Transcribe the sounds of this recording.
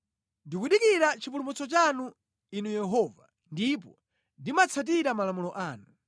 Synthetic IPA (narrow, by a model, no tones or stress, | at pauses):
ndikwuɗikiɾat͡ʃipulumut͡sɔt͡ʃanu | inujɛɦɔːva̰ | ndip̬ɔ | ndimat͡sʰat̬iɾamalamulɔʔaːnu